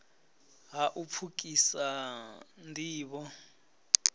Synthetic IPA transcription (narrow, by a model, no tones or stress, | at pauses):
ɦaʔupʰuk̬ʼisa | ndʱiːɓɔ